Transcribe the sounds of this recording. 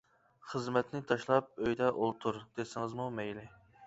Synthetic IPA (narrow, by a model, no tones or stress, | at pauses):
χəzmɛt̪nɪt̪ʰɑʃlˠɑp̚øjd̪ɛʔolˠt̪ʰuɾd̪̥esɪŋɨzmumɛjlɪ